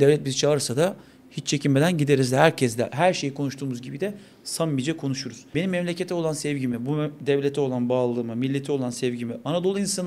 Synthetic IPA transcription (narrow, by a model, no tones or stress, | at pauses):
d̪evlʲɛt̪̚bizit͡ʃʰalˠɯɾsad̪a | hit͡ʃt͡ʃʰe̞cʰime̞d̪ænɟid̪e̞ɾizd̪ɛhæɾcʰɛzd̪ɛɦæɾʃe̞jikʰo̞nuʃt̪ʰuːmuzɟibid̪ɛ | samːid͡ʒɛkʰo̞nuʃuɾuz̥benimːɛmlʲe̞cʰe̞t̪ʰɛo̞lˠansɛvɟimibud̪ɛvlʲet̪ʰɛo̞lˠanbaːlˠɯːmɯmilʲːet̪ʰɛo̞lˠansɛvɟimianad̪o̞lˠɯinsan